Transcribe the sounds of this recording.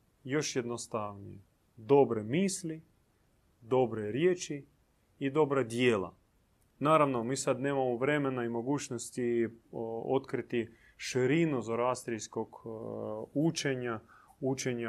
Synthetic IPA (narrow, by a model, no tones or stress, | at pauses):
jo̞ʃjed̪nost̪aʋnḭje | d̪o̞bɾemiːsli | d̪o̞bɾeɾjeːt͡ʃiː | d̪o̞bɾad̪jeːla̰ | naːɾaʋno̞miːsad̪ne̞ːmamoʋɾe̞menaimo̞ɡuːt͡ʃnost̪i | o̰t̪kɾit̪i | ʃɾinuzoɾast̪ɾiskoɡ | ut͡ʃeɲaut͡ʃeɲa